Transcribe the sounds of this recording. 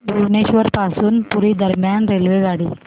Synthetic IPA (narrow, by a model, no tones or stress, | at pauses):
bɾuneːɕʋəɾpaːsuːnpuɾid̪ɐɾmjanɾelʋeʋaːɽi